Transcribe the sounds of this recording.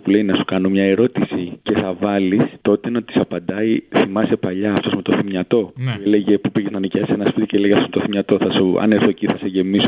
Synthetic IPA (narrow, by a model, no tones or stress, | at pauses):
pule̞inɐsu̥kɐnomɲɐe̞ɾo̞t̪isice̞θɐvɐlist̪o̞t̪enɐt̪i̥sɐpɐnd̪ɐiθimɐse̞pɐʎɐːft̪o̞zmet̪oθimɲɐt̪o̞eeleʝe̞pupiʝiznɐniceɐsenɐspit̪i̥ceeleʝeft̪ozmet̪oθimɲɐt̪o̞θɐsuɐ̰neɾθociθɐse̞ʝe̞miso